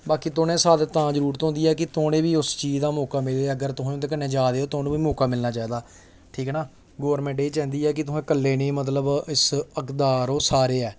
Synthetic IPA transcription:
baːkiːt̪oːnẽːsaːd̪et̪ãːd͡ʒəɾuːɾt̪õːnd̪iːɛːkɪt̪oːnẽːʋiːʊst͡ʃiːd͡ʒd̪aːmɔːkaːmɪlːeəɡəɾt̪ʊɦoːt̪eːkənːẽːd͡ʒaːd̪eːoːt̪oːnũːʋiːmɔːkaːmɪlnaːt͡ʃaːiːd̪aː | ʈʰiːkːnaː | ɡoːəɾmɛ̃ːɳʈeːt͡ʃɛ̃ːnd̪iːɛːk̬ɪt̪ʊɦẽːkəlːeːnẽːmət̪̬ləbɪsəkd̪aːɾoːsaːɾeːɛː

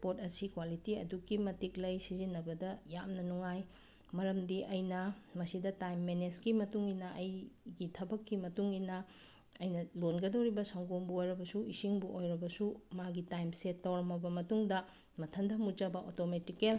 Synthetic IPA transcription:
pot̚ɐsikwalitiɐdukimɐtiklɐjsizinːɐbɐdɐjamnɐnuŋaj | mɐɾɐmdiʔɐjnɐmɐsidɐtajmːenesɡimɐtuŋinɐʔɐjɡitʰɐbɐkːimɐtuŋinɐ | ɐjnɐlonɡɐdɐwɾibɐsɐŋɡombuojɾɐbɐsuisiŋbuʔojɾɐbɐsumaɡitajmsetːɐwɾɐmɐbɐmɐtuŋdɐ | mɐtʰɐndʱɐmut͡ʃɐbɐʔotometikel

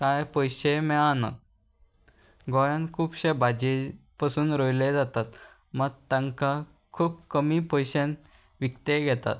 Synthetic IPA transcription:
kajpɔjɕemɛana̰ | ɡɔɾãnkʰuːpɕebad͡ʑepasuːnɾojled͡zat̪at̪ | məɡ̚t̪ãŋka | kʰuːbkəmipɔjɕẽn | ʋikt̪eɡʱɛt̪a̰t̪̚

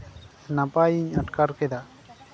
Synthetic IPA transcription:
napajiɲaʈkaɾkɛd̪a

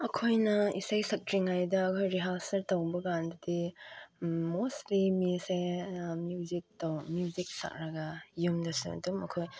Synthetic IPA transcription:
ɐkʰojnɐḭsajsɐk̚tɾiŋajdɐːkʰojɾiɦalsɐɾtowbɐɡandɐdi | mostlimisemjuzik̚towmijuzik̚sa̰k̚ɾɐɡɐjumdɐsṵɐ̰dumɐ̰kʰoj

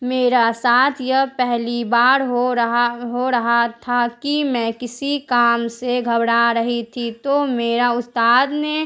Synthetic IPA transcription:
meːɾasaːt̪ʰjəpɛɦlibaːɾɦoɦɦoɾəɦat̪ʰakimɛ̃kɪsikaːmseɡʱəbɽaɾəɦit̪ʰit̪omeːɾaʊst̪aːd̪ne

